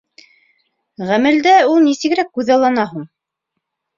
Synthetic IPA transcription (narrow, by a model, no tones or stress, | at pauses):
ʁæmɘ̆ld̪æulˠnisɘ̆ɡɘɾækːʉðɑlˠːɑnɑɦuɴ